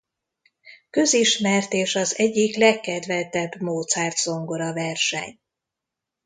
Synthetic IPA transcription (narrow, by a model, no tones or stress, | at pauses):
kø̞ziʃmɛrt̪eːʃɒzɛɟːiklɛkːɛd̪vɛt̪ɛbmoːt̪sɛːrt̪z̥o̞ŋɡo̞ɾɒvɛrʃɛ̰ɲ